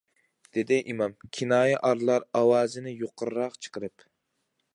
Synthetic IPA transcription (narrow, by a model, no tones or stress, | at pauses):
d̪̥ed̪ɪʔimɑmkʲʰinɑːjɛʔɑɾlˠɑɾɑwɑːzɪnɪjoqʰəɾːɑqt͡ʃʰə̥qəɾɨp